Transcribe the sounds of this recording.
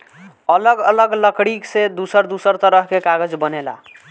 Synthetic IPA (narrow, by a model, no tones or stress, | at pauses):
ələɡələɡləkɽiksed̪usəɾd̪usəɾt̪əɾəɦkekaɡəd͡ʒbənela̰